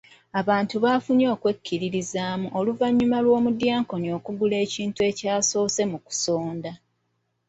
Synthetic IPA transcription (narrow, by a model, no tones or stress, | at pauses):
aβaːntuβafuɲo̞ːkwe̞cːiɾiɾizaːmuʔoluvaɲːumalwo̞ːmudjaːŋko̞nio̞ːkuɡule̞ːciːntue̞caːso̞ːse̞muku̥soːnda